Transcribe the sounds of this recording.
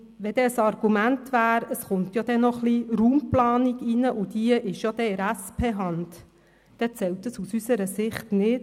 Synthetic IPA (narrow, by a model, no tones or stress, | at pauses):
ʋɛd̥̪ɛəsɑrɡ̥umæntʋæːɾəsχʊmt̪jɑd̥̪ɛnɔχliruːmplɑːniɡinəʔʊd̪iəʔɪʃjod̥̪ɛɪɾæspʰeːɦɑnd | d̥ɛt͡sɛlt̪əsusysəɾəsɪχtnɪt